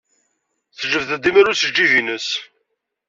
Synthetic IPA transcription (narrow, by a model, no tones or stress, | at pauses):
θʒəvθəd̪iməɾusəd͡ʒːiʝinəs